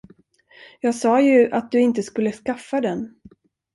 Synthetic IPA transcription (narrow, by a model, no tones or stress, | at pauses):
jɑːɡsɑːjɵʔat̪̚d̪ɵɪnt̪əskɵlːəskafːad̪ɛn